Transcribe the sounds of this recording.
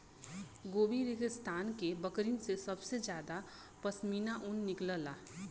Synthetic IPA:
ɡoːbiɾɪkəst̪ʰaːnkebəkɾinsesɐbsed͡ʒjaːd̪a | pəsmiːnaʔʊnːɪkləlaː

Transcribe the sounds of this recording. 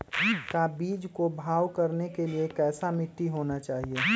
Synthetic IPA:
kabiːd͡ʒkobʱaːwkɐɾnekeliekɛːsamɪʈːiɦoːnat͡ʃaːɦie

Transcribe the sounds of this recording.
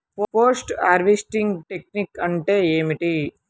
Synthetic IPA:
popoːsʈa̰ːɾʋisʈiŋɡʈek̚nikɐɳʈeːeːmiʈi

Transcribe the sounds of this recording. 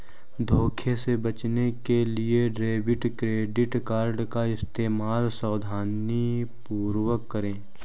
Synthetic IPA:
d̪ʱoːkʰesebət͡ʃnekelieɖɾeːbɪʈkɾeːɖɪʈkaːɾɖkaɪst̪eːmaːlsaːd̪ʱaːni | puːɾwəkːəɾẽː

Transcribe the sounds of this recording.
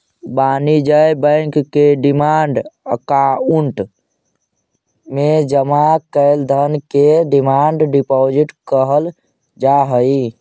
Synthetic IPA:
banid͡ʒəjbə̃ɪŋkːeɖimaɳɖkauɳʈ | med͡ʒəmakəɪld̪ʱənkeɖimaɳɖɖipɔd͡ʒiʈkəɦəl | d͡ʒaɦəi

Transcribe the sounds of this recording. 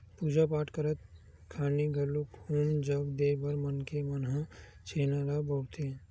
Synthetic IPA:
puːd͡ʒapaːʈkəɾət̪̚ | kʰaːniɡʱəlukuːmd͡ʒəɡd̪eːbəɾmənkemənɦa | t͡ʃʰeːnaɾaboːt̪ʰe

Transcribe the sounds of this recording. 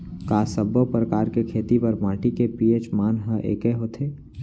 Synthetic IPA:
kaːsəbopɾəkaːɾkekʰeːt̪ipɐɾmãːʈikepieːt͡ʃmaːnɦəʔḛːkeɦoːt̪ʰeː

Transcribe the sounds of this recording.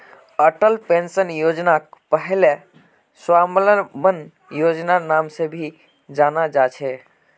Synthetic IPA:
əʈəlpensənjod͡ʒnakpəɦele | swamləbən | jod͡ʒnanamsẽbʱi | d͡ʒanad͡ʒat͡ʃʰɛ

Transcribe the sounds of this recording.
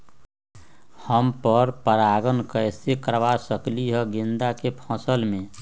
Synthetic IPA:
həmpəɾpəɾaɡənkəɪsekəɾʋasəkliɦəɡind̪akepʰə̃səlmẽ

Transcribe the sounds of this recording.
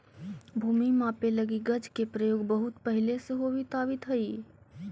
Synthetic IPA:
bʱuːmimãːpẽlɐɡiɡɐd͡ʒkepɾəjoːɡbɐɦʊt̪pɐɦɪleseɦobit̪aːʋit̪ɦɐiː

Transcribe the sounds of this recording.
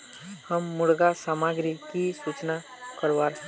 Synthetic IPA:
həmːuɽɡasamaɡɾikisut͡ʃna | kəɾʋaɾ

